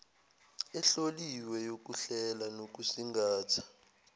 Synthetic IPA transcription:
ɛɬoliwɛjok̬uɬɛlanok̬usiŋɡaːtʰḁ

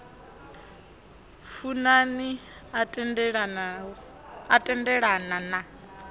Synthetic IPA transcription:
funani | ɺ | atʼɛndɛɺanana

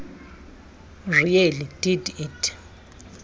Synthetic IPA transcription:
rujɛlid̥iditʰʼ

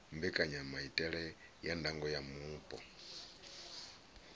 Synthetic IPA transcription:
mbɛkʼaɲamaitʼɛɺɛjandaŋɡɔjamuːpʼɔ̰

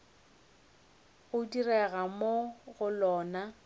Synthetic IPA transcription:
ɣʊdirɛɣamoɣʊlɔːna

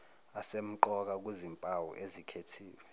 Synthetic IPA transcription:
asem̩ǃɔk̬ak̬wizimpʼawṵʔezikʰetʰiːwɛ

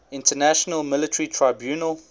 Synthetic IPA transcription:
ɪ̃ntənæʃənəlˠmɪlɪtʰəɹitʰɹaɪbjuːnəlˠ

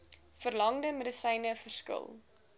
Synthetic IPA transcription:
fərlɐŋdəmədəsɛjnəfərskə̰lˠ

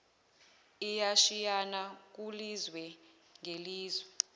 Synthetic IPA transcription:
ijaʃijanak̬ulizwɛ | ŋʱeliːzwɛ

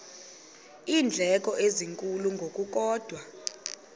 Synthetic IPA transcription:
iːnd͡ɮʱɛk̬ʼɔʔeziŋkʼuluŋɡʱokʼuk̬ʼɔːd̥ʱwa

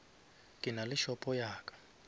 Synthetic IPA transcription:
kʼinaliʃɔpʼɔjaːkʼḁ

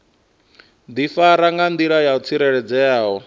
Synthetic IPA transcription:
d̪ifaɾaŋɡand̪iɺajaut͡sʰiɾɛɺɛd͡zɛjaːɦɔ

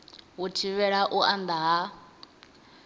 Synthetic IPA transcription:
ɦutʰiβɛɺaʔuʔand̪aɦa

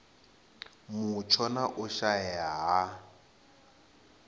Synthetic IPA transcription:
mʊt͡ʃʰɔnaʔʊʃajaɦa

